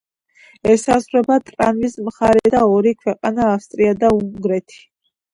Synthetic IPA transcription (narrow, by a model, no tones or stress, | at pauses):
ɛsasʁɾɛbat̪ʼɾanvismχaɾɛd̪aɔɾikʰwɛqʼanaːfst̪ʼɾiad̪auŋɡɾɛt̪ʰi̥